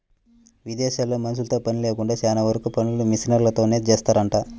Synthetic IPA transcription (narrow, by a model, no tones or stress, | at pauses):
ʋid̪ɛːʃaːloːmɐnɐs̬ult̪o̞ːpɐnileːkuɳɖaːt͡ʃaːnaʋɐɾɐkupɐnilumisinɐɾlɐt̪o̞ːne̞ːt͡ʃeːst̪aːɾɐɳʈaː